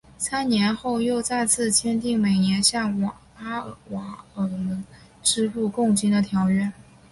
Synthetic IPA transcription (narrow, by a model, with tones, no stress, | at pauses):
sʰa˥nnjɛ˧˥nxo˥˧ʊjo˥˧ʊt͡sa˥˧ɪt͡sʰɹ̩˥˩t͡ɕʰjɛ˥nt̪i˥˩ŋme˨˩ɪnjɛ˧˥nɕjɑ˥˩ŋwɑ˨˩ | a˥˧˥wɑ˨˧˥ə˧˥˩mə˧˥ŋ | ʈ͡ʂɻ̩˥˧ɻu˥˧kʊ˥˩ŋt͡ɕi˥nd̪ə˨t̪ʰjɑ˧˥ʊɥɛ˥˩n